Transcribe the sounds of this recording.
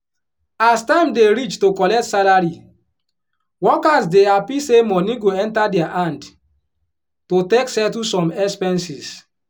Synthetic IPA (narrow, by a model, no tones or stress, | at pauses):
astãɪ̃mdeɾit͡ʃtokɔlɛk̚tsalaɹi | wɔkasdeapisemɔnĩɡoɛ̃ntadɛaʔãnd | toteksɛtusɔ̃mɛspɛ̃nsis